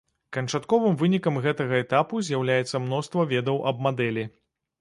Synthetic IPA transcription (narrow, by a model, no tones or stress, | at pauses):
kɐnt͡ʂat̪kɔvɨmvɨnʲikɐmɣɛt̪ɐɣɐɛt̪apuzʲjawlʲajɛt̪sːɐmnɔst̪vɐvʲɛd̪ɐwʔɐb̚mad̪ɛlʲi